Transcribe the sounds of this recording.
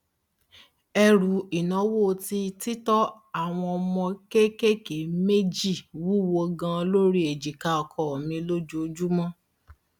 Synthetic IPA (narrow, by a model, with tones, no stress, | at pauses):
ɛ˧ɾu˨˦i˨nã˨˦wo˦˨˧ti˧˦ti˦tɔ˦ | a˦˨w̃ɔ̃˧ɔ˧mɔ̃˧ke˦ke˦ke˨˦me˦d͡ʒi˦˨wu˦wo˧ɡã˧lo˦ɾi˦e˨d͡ʒi˨ka˧ɔ˧kʰɔ˧˨mĩ˧lo˦d͡ʒu˦o˧d͡ʒu˦mɔ̃˦